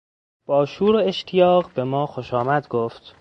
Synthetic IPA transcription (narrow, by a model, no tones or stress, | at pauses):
b̥ɒːʃuːɾoeʃt̪ʰijɒːɣbe̞mɒːxoʃɒːmæd̪ɡoːft̪